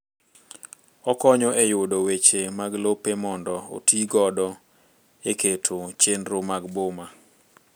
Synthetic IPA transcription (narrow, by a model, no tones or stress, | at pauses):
ɔkɔɲɔʔejʊdowet͡ʃemaɡlopemɔndɔo̰tʰiɡɔdɔ | eketʰot͡ʃenɾomaɡboma